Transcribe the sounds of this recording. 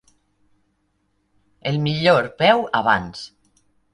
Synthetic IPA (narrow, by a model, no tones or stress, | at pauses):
elmiʎoɾpɛwaβa̰ns